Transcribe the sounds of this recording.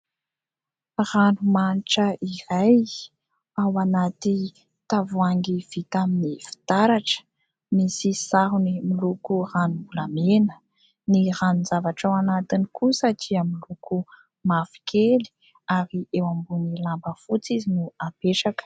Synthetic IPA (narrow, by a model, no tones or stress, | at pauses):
ranumaniʈ͡ʂəʔiɾaj | awanat̪i | t̪avuaŋɡiv̥it̪aminifi̥t̪aɾaʈ͡ʂə̥ | misisaɦunimilukuranumbulamenə̥ | niranunzavaʈ͡ʂawanat̪inikusaʈ͡ʂiamiluku | mafi̥kʰeli̥ | aɾiewambunilambəfut͡sizinuapeʈ͡ʂakə̥